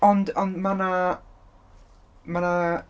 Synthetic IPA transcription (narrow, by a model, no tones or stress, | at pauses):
ɔndɔndmana | mana